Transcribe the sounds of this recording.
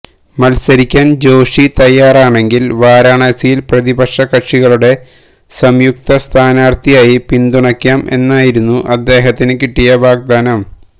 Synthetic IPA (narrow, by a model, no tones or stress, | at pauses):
mɐlsɐɾikʲːaːnd͡ʑo̞ːʂit̪ɐjːaːraːɳe̞ŋɡilʋaːɾaːɳɐːsijilprɐðibɐkʂɐkɐʈʂiɣɐɭuɽe̞ | sɐmjuk̚t̪ɐst̪ʰaːnaːrt̪ijaːjipind̪uɳɐkʲːaːme̞̰nːaːjiɾunːuʔɐd̪ːe̞ːɦɐt̪ːinɨkiʈːijɐʋaːɡ̚d̪aːnɐm